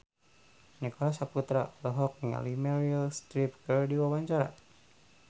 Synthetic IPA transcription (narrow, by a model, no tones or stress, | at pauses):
nikɔlasaput̪ɾalɔɦɔk̚ŋa̰limɛɾialst̪ɾip̚kərdiwawaɲt͡ʃaɾa̰